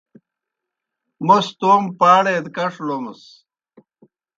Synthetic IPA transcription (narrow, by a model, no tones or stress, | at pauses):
most̪oːmpaːɽed̪kɐʂlomɐs